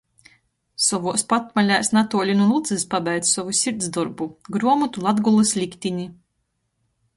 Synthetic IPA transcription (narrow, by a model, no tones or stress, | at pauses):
sɔvuɔspat̪malʲaːsnat̪uɔlʲinulˠut̪sɨspabɛjd̪sɔvusʲiɾt̪zd̪ɔɾbuɡɾuɔmut̪ulˠad̪ɡulˠɨslʲikʲt̪ʲinʲi